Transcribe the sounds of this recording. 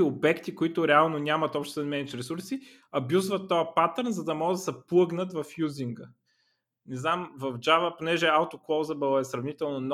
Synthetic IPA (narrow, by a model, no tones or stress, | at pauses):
iobɛkt̪ikoit̪ʊɾɛalˠnonʲamɐt̪ɔpʃt̪ɛt̪ɛnmɛnit͡ʃɾɛsuɾsi | ɐbjuzvɐt̪ːɔjəpat̪əɾnzɐd̪ɐmɔɡəd̪ɐsɛplˠɤɡnət̪vɐfjuziŋɡə | nɛznamvɐvd͡ʒavəponɛʒɛalˠt̪oklˠɔzəbɛlˠɛsɾɐvnit̪ɛlˠnon